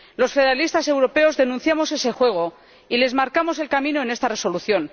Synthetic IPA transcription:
lo̞sfe̞ðeɾalist̪ase̞wɾo̞pe̞o̞zðe̞nũnθjamo̞se̞se̞xwe̞ɣ̞o̞ | ile̞zmaɾkamo̞se̞lkamĩno̞e̞ne̞st̪are̞soluθjo̞n

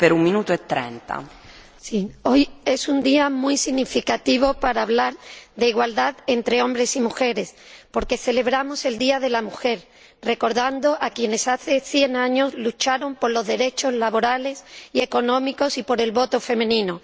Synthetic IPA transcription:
peɾummĩnut̪oet̪ːɾḛnt̪a̰ | sio̞je̞sund̪iamwjsiɣnifikat̪iβo̞paɾaːβlaɾðeiɣwald̪aðe̞nt̪ɾe̞o̞mbɾe̞simuxe̞ɾe̞s | po̞ɾke̞θe̞le̞β̞ɾamo̞se̞ld̪iaðe̞lamuxe̞ɾ | re̞ko̞ɾðand̪o̞ʔakje̞ne̞saθe̞θje̞ŋãɲo̞zlut͡ʃaɾo̞mpo̞ɾlo̞zðe̞ɾe̞t͡ʃo̞zlaβo̞ɾale̞sieko̞nõmiko̞sipo̞ɾe̞lβo̞t̪o̞fe̞mẽnĩno

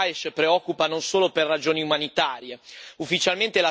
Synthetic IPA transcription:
eʃpɾeɔkːupanonsoːloperːad͡ʒoːniumanit̪aːɾjeufːit͡ʃalment̪ela

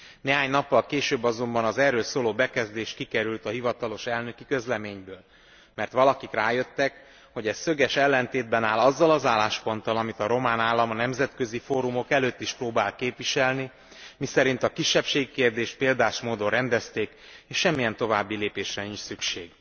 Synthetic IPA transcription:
neːɦaːɲnɒpːɒlkeːʃøːbːɒzo̞mbɒnɒzɛrːøːlsoːloːbɛkɛzd̪eːʃkikɛɾylt̪ɒɦivɒt̪ɒlo̞ʃɛlnø̞kikøzlɛmeːɲbøːl | mɛrt̪ʋɒlɒkikraːjø̞t̪ːɛk | ho̞ɟɛssøɡɛʃɛlːɛnt̪eːd̪̚bɛnaːlɒzːɒlɒzaːlːaːʃpo̞nt̪ɒlɒmit̪ɒɾo̞maːnaːlːɒmɒnɛmzɛt̪kø̞zifoːɾumo̞kɛløːt̪ːiʃproːbaːlkeːpʋiʃɛlni | misɛɾint̪ɒkiʃːɛpʃeːɡikeːrd̪eːʃt̪̚peːld̪aːʃmoːd̪orrɛnd̪ɛst̪eːkeːʃʃɛmːijɛnt̪o̞vaːbːileːpeːʃrɛnint͡ʃsykʃeːɡ

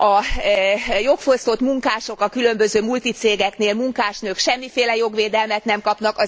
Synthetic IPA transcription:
ɒ | jo̞kfo̞st̪o̞t̪muŋkaːʃo̞kɒkylø̞mbø̞zøːmult̪it̪seːɡɛkneːlmuŋkaːʃnøːkʃɛmːifeːlɛjo̞ɡʋeːd̪ɛlmɛt̪nɛmkɒpn̪ɒkɒ

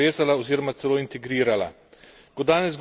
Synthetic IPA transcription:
eːzalaɔziːɾɔmat̪sɛloːint̪ɛɡɾiːɾala̰ | kɔd̪aːnɛzɡ

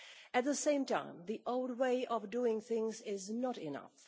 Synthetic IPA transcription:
æt̪̚ðəsẽɪ̃mtã̰ɪ̃mðiʔoʊld̚weɪʔɔvduɪ̃ŋθɪ̃ŋzɪznəɾɪnʌ̰f

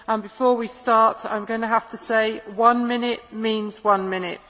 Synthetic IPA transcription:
ə̃nbɪfɔːwistɑˑtã̰ɪ̃mɡʌʊnəɦaftəseɪwʌ̃nmɪnɪʔmĩːnz̥wʌ̃nmɪ̃nɪ̰ʔ̚

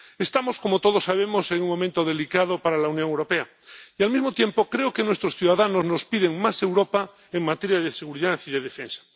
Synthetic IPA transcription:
est̪amo̞sko̞mot̪oð̞osːaβemoseŋuŋmõ̞mẽnt̪oðe̞likað̞opaɾalaunjoŋewɾopea | ialmizmot̪jempokɾeokenwest̪ɾosθjuðaðanozno̞spiðeŋmase̞wɾopa | eŋmat̪eɾjaðeseɣ̞uɾiðaθiðeðefẽnsḁ

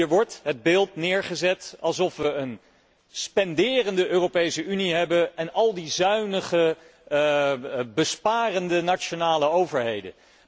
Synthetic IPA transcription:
ɹʋɔɹtɦəd̚bɪːlˠtnɪːɹχəzɛtɑlˠsɔfʋəːn | spɛndɪːrəndəʔøːrowpejsəyniɦɛbənɛnɑlˠdizœɥnəχə | bəspaːrəndənat͡ʃonaːləowvəɹɦejdə̰n

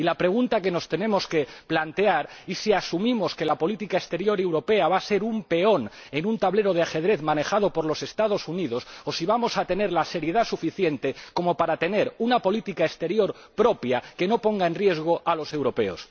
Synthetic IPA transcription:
ilapɾe̞ɣ̞unt̪ake̞no̞st̪e̞nẽ̞mo̞ske̞plant̪e̞aɾisiasumĩmo̞ske̞lapo̞lit̪ikaest̪e̞ɾjo̞ɾe̞wɾo̞pe̞aβ̞ase̞ɾumpe̞o̞ne̞nunt̪aβle̞ɾo̞ð̞eaxe̞ðɾe̞θmãne̞xað̞opo̞ɾlo̞se̞st̪að̞o̞suniðo̞sosiβ̞amo̞sat̪e̞ne̞ɾlase̞ɾje̞ðasufiθje̞nt̪e̞ko̞mopaɾat̪e̞ne̞ɾunapo̞lit̪ikaest̪e̞ɾjo̞ɾ | pɾo̞pjake̞no̞po̞ŋɡae̞nrje̞zɣ̞o̞ʔalo̞se̞wɾo̞pe̞o̰s

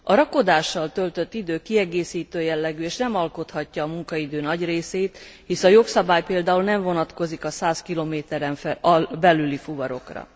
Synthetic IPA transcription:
ɒɾɒko̞d̪aːʃːɒlt̪ø̞lt̪ø̞t̪ːid̪øːkiɛɡeːsiːt̪øːjɛlːɛɡyːeːʃnɛmɒlko̞t̪hɒcːɒːmuŋkɒid̪øːnɒɟreːseːt̪hisɒjo̞ksɒbaːjpeːld̪aːulnɛɱvo̞nɒt̪ko̞zikɒsaːskiloːmeːt̪ɛɾɛɱfbɛlylifuvɒɾo̞̰krɒ̰

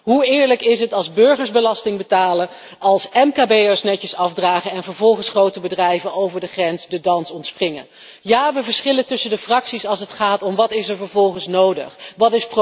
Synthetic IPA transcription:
ɦuɪːɹləkɪs̬ɦətɑlˠzbɵɹχəɹzbəlɑstɪŋbətaːlə | ɑlˠsɛmkaːbejɛɹsnɛcəsɑfdraːχəɛnvəɹvɔlˠχənsχrowtəbədrɛjvəowvəɹdəχrɛnsdədɑnsɔntsprɪŋə̰ | jaːʋəvəɹsχɪləntɵsəndəfrɑksisɑlˠsətχaːtɔmʋɑtɪsɛɹvəɹvɔlˠχənsnowdə̰χʋɑtɪsp

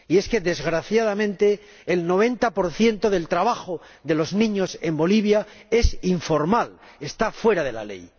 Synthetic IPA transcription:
ie̞ske̞ðe̞zɣɾaθjað̞amẽnt̪e̞ː | lno̞β̞e̞nt̪apo̞ɾθje̞nt̪o̞ðe̞lt̪ɾaβaxo | ðe̞lo̞znĩɲose̞mbo̞liβ̞jae̞siɱfo̞ɾmal | e̞st̪afwe̞ɾað̞e̞la̰le̞̰j

